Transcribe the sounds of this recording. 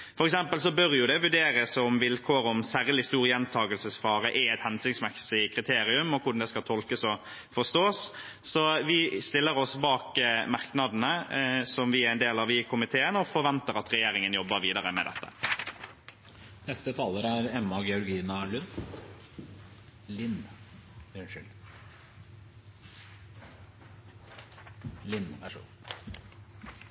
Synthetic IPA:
fɔɾɛksɛmpəls̬ɔbœɾjʊd̪ɛʋʉɖeːɾəsɔmʋɪlkʰoːɾɔmsæːɾlɪst̪uːɾjɛnt̪ʰɑːɡəlsəsfɑːɾəʔɛɛt̪hɛnsʏŋsmɛksɪɪkʰɾɪt̪ʰeːɾɪʉmɔkʰʊɾɖn̩d̪ɛskɑlt̪ʰɔlkəsɔ | fɔʁst̪oːs | sɔʋɪst̪ɪlːəɾɔsbɑːkmɑʁknɑd̪nəsɔmʋɪæɾɛnd̪eːlɑʋɪkʰʊmɪt̪ʰeːənəɔfɔɾʋɛnt̪əɾɑt̪ʁɛjeːɾɪŋənjɔbːəɾʋiːd̪ɑɾəmɛ̰d̪ɛ̰t̪ːə̰ | nɛst̪ət̪ʰɑːləɾæɾɛmːɑɡɛɔɾɡiːnɑlʉnː | lɪn | nʃʏl | lɪnːæʂṵ

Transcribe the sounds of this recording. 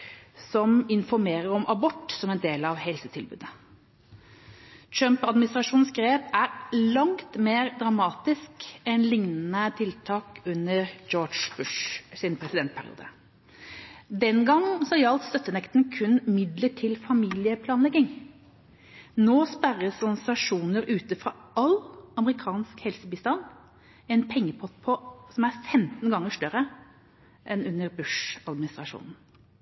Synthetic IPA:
sɔmɪnfɔɾmeːɾəɾɔmʔɑbɔʈːsɔmɛnd̪eːlɑʋhɛlsət̪ʰɪlbʉ̰ːd̪ə | t̪ʰɾœmpɑd̪mɪnɪst̪ɾɑʂuːnsɡɾeːpæɾlɑŋt̪meːɾd̪ɾɑmɑːt̪ɪskɛnlɪŋnənət̪ʰɪlt̪ʰɑːkʉnːəɾd͡ʒoːd͡ʒb̥ʉʂsɪnpʰɾɛsɪd̪ɛnt̪̚pʰæ̰ɾɪ̰ṵːd̪ə̰ | d̪ɛnɡɑŋːsɔjɑlt̪st̪œt̪ːənɛkt̪nkʰʉnmɪd̪ləʈʰɪlfɑmiːlɪəpʰlɑːnlɛɡɪŋ | noːspæɾəsɑsɑʂuːnəɾʉːt̪əfɾɑ̰ːɑlɑməɾɪkʰɑːnskhɛlsəbɪːst̪ɑn | ɛnpʰɛŋːəpʰɔt̪pʰɔsɔmæɾfɛmt̪n̩ɡɑŋːəʂt̪œɾə | ʔɛnʉnːəɾbʉʂɑd̪mɪnɪst̪ɾɑʂṵːnn̩

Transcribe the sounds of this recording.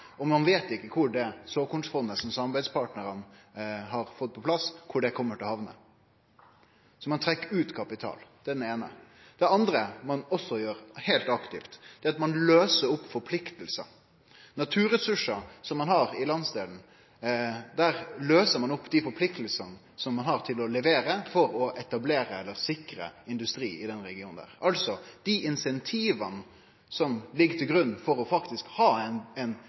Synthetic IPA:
ɔmɑnʋeːt̪ɪkːəkʰʊɖɛsoːkʊnsfɔnd̪əsɔmsɑmɑbæɪd̪spʰɑːʈnəɾənɦɑɾfɔt̪̚ːpʰɔpʰlɑskʰʊɖɛkʰɔmːəʈɪlɔhɑʋnə̰ | sɔmɑnt̪ʰɾɛkːəɾʉːt̪kʰɑpɪt̪ʰɑ̰ːld̪̥ɛd̪ɛneːnə̰ | d̪̥ɛɑnd̪ɾəmɑnɔsːɔjøːɾheɪlt̪ɑkt̪ɪft̪d̪̥ɛːɑt̪mɑnløːsəɾʊpːfɔɾpʰlɪkt̪əlsə̰ | nɑt̪ʰʉːɾɛsʉʂɑsɔmːɑnhɑɾɪlɑnsd̪eːln̩ | d̪æɾløːsəɾmɑnɔpːd̪ifɔɾpʰlɪkt̪əl̩sənə | sɔmːɑnhɑɾt̪ʰɪlɔlɛʋeːɾəfɔɾɔʔɛt̪ɑbleːɾəɛlːəɾsɪkɾə̰ɪnd̪ʉst̪ɾiːɪd̪ɛnɾɛɡɪuːnd̪æ̰ːʁɑlsɔd̪̥iʔɪnsɛnt̪ʰiːʋɑn | sɔmlɪɡːt̪ʰɪlɡɾʉnːfɔɾɔfɑkt̪ɪskhɑːnɛn

